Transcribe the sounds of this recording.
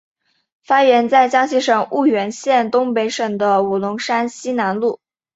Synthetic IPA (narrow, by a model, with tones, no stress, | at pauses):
fa˥ɥɛ˧˥nt͡sa˥˩ɪt͡ɕjɑ˥ŋɕi˧˥ʂɤ˨˩ŋu˥˩ɥɛ˧˥nɕjɛ˥˩nt̪ʊ˥ŋpe˧˥ɪʂɤ˨˩ŋd̪ə˦u˨˩lʊ˧˥ŋʂa˥nɕi˥na˧˥nlu˥˩